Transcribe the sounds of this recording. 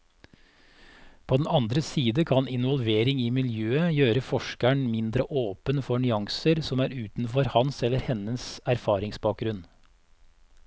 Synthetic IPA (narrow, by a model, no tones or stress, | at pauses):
pʰoːd̪ɛn̩ɑnd̪ɾəsiːd̪əkʰɑnɪnʋɔlʋeːɾɪŋiːmɪljøːəjøːɾəfɔʃkæɳmɪnd̪ɾəʔoːpənfɔɳʏɑŋsəɾsɔmæːɾʉːt̪n̩fɔɾhɑnsɛlːəɾhɛnəsæɾfɑːɾɪŋsbɑːk̚ɡɾʉn